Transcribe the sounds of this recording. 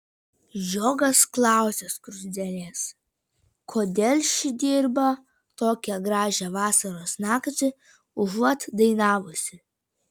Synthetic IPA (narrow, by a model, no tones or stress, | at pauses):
joːɡɐsklˠɑˑʊsʲeskɾʊzʲd̪ʲɛlʲeːs | kʰoːd̪ʲɛlʲʃʲɪd̪ʲiːɾbɐ | t̪oːkʲɛɡɾɑːʒʲɛʋɑːsɐɾoːsnɑːkt̪ʲɪ | ʊʒɐt̪d̪ɐɪnɑːʋʊsʲɪ